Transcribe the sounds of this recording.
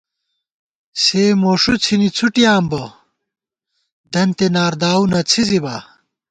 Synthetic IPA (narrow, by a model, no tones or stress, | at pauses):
seːmoːʂut͡sʰinit͡sʰuʈijaːmbo | d̪ɐnt̪enaːɾd̪aːunɐt͡sʰiziba̰ː